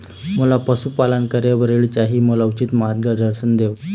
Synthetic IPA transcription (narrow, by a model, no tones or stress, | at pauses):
məlapəsupalənkəɾjaʋəɾeɭt͡ɕaɦiːməlaut͡ɕit̪maɾɡɡəd̪əɾɕənd̪eʋ